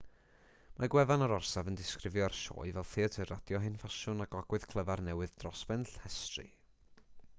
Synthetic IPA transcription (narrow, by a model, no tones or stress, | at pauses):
maɡwɛvanɔɾɔrsavəndɪskrɪvjɔarʃo̰ːɨvɛlˠθeːətʰɨradjɔɦɨnfaʃʊnaɡɔɡwɨð̥kʰlˠəvarnɛwɨðdrɔsbɛnɬhɛstrɨ̰